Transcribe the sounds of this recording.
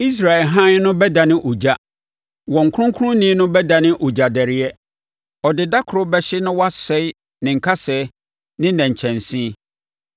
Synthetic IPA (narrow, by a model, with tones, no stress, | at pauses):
i˦s̬ɾa˨ɛ˨lɦã˦n˦nʊ̃˦bɛ˦da˨nɪ̃˦ʔo˨d͡ʑa˦ | wɔ̃˨ŋ̩˨kʰʊ̃˦ŋkʰʊ˦ʊ̃˦nĩ˦nʊ̃˦bɛ˦da˨nɪ̃˦ʔo˨d͡ʑa˨dɛ˨ɾɪ˦ɛ˦ | ɔ˨dɪ˨da˦kʰʊ˨ɾʊ˦bɛ˦ɕɪ˦nʊ̃˦wa˦sɛ˦ɪ˦ | nɪ̃˨ŋ̩˨kʰa˦sɛ˨ | nɪ̃˦nɛ̃˨ɲ̩˨t͡ɕʰɛ̃˨n˨sĩ˦